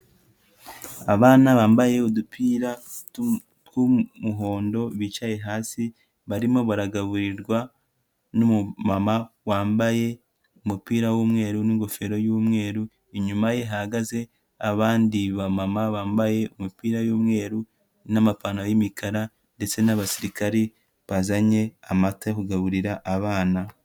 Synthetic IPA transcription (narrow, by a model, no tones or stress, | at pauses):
aβaːnaβaːmbaje̞udupʰiːɾa | tkumuɦo̞ːndo̞βiːt͡ʃaje̞ɦaːsi | βaɾimo̞βaɾaɡaβuɾiɾɡwa | numumamawaːmbaje̞ | umupiːɾawuːmŋe̞ːɾuniŋɡo̞fe̞ɾo̞juːmŋe̞ːɾu | iɲumaje̞ɦaɡaze̞ | aβaːndiβamamaβaːmbaje̞umupiːɾajuːmŋe̞ːɾu | namapanajimikʰaɾa | nde̞t͡se̞naβasiɾikaɾe | βazaɲe̞amatakuɡaβuɾiɾaʔaβaːna